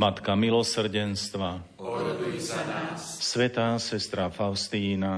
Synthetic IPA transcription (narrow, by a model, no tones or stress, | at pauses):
mat̪kamilɔsr̩ɟɛnst̪ʋa | sʋɛt̪aːsɛst̪ɾafaʊst̪iːna